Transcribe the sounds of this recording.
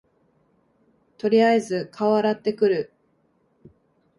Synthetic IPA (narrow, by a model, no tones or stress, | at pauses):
t̪o̞ɾʲiaizɨkʰaβaɾat̪ːe̞kɯ̟ɾɯ̟